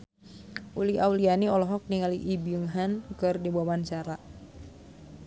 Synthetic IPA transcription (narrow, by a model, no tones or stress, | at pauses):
ʔuliawlianiɔlɔɦɔk̚niŋaliʔibiəŋɦankɨrdibuamant͡ʃaɾa